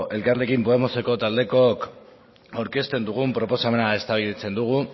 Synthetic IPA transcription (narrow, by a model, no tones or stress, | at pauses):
ʔe̞lkarle̞kimpo̞emo̞se̞ko̞t̪ald̪e̞ko̞k | awɾke̞st̪e̞nd̪uɣ̞umpɾo̞po̞same̞nae̞st̪aβilit͡se̞nd̪uɣ̞u